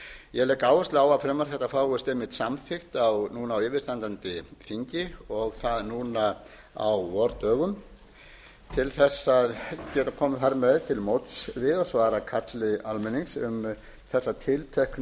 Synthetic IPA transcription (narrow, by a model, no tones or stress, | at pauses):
jɛɣlɛːkaːwast̪aːwafɾɛːmaɾ̥θɛht̪afaːwɣʏst̪ɪmːɪt̪samfɪxt̪awnuːnaːwɪːvɪɾ̥st̪ant̪ant̪ɪfiɲcɪɔɣθaðnuːna | awvɔɾt̪œːɣʏm | t̪ʰɪlθɛsːaðcɛːt̪akʰɔːmaθaɾmɛðt̪ʰɪlmowt̪svɪðɔsvaːɾakʰat̪lɪalmɛniŋsʏm | θɛsːat̪ʰɪlt̪ʰɛhk